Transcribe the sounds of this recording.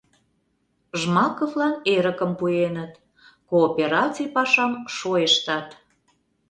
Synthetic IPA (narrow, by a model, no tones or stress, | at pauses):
ʒmɑkovlɑneɾəkəmpuenət̪ | koːpʲeɾɑt͡sijpɑʃɑmʃojeʃt̪ɑt̪